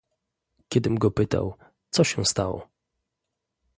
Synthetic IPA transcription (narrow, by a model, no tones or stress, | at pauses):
kʲɛd̪ɘmɡɔpɘt̪a̰w | t̪sɔɕɛst̪awɔ̰